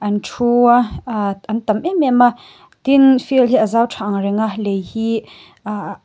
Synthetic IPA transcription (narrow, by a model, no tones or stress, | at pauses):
ʔantʰuaʔant̪əmʔɛmɛma | t̪infilɦiʔazawtʰaŋɾiŋalejhi | a